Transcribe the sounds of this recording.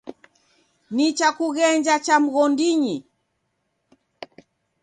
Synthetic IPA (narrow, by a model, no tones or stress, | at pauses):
nit͡ʃakuɣɛɲd͡ʒat͡ʃam̩ɣɔndiɲi